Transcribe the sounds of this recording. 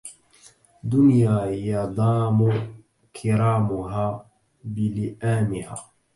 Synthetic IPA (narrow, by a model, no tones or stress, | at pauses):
d̪ʊnjaːjɑd̪ˤɑːmʊ | kʰɪɾaːmʊɦaː | bɪlɪʔaːmɪha̰ː